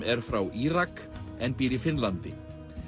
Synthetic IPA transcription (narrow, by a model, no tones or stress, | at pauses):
ɛɾ̥fɾawʔiːɾak | ɛnpiːɾifɪnlant̪ɪ